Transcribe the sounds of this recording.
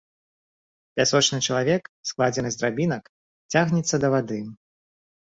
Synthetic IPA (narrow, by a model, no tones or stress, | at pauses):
pʲasɔt͡ʂnɨt͡ʂɐlˠavʲɛksklˠad͡zʲɛnɨzd̪ɾabʲinɐk | t͡sʲaɣnʲɛt̪sːɐd̪ɐvad̪ɨ